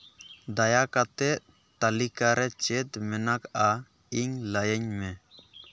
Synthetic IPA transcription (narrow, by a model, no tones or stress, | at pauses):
d̪ajakat̪ɛʔ | t̪alikaɾɛt͡ʃɛt̪mɛnaka | iɲlajəɲmɛ